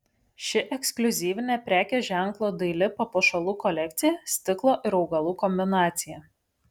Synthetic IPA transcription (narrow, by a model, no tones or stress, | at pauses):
ʃʲɪʔɛksklʲʊzʲiːʋʲɪnʲeːpʲɾʲæːkʲeʒʲæŋklˠoːd̪ɐɪlʲɪpɐpoːʃɐlˠuːkɔlʲɛkt̪sʲɪjɛsʲt̪ʲɪklˠoːʔɪɾɒʊɡɐlˠuːkɔmʲbʲɪnɑːt̪sʲɪjɛːˑ